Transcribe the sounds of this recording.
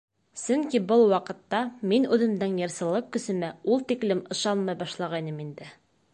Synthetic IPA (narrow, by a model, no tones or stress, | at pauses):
sɵŋkibɤlˠwɑqɤ̆t̪ːɑminʉðɘ̆md̪ɘŋjɤ̆ɾsɤ̆lˠɤqkɵ̆sɵ̆mɘulˠt̪iklɘmɤ̆ʃɑnmɑjbɑʃlˠɑʁɑjnɤmind̪ɘ